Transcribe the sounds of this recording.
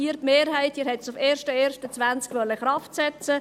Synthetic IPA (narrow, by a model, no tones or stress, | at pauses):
iːɾtmeːɾhæɪtiːɾhɛtsufeːɾʃtəeːɾʃtət͡sʋænt͡skʋœlːəχɾɑftsɛt͡sə